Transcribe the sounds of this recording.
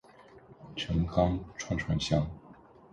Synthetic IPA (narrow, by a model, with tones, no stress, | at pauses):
ʈ͡ʂʰɤ˧˥ŋkɑ˥ŋʈ͡ʂʰwa˥˩ŋʈ͡ʂʰwa˧˥nɕjɑ˥ŋ